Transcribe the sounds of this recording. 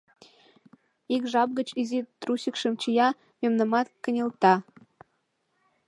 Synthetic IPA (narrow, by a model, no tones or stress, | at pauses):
ikʒɑp̚ɣət͡ɕizit̪rusʲəkʃəmt͡ɕijɑ | məmnə̆mɑt̪kə̆nʲĕlt̪ɑ